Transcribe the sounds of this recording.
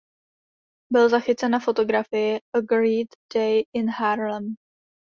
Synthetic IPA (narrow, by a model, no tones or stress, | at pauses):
bɪlzaxɪt͡sɛnafo̞t̪o̞ɡɾafɪjɪəɡɾiːt̪dɛjɪnhaɾlɛm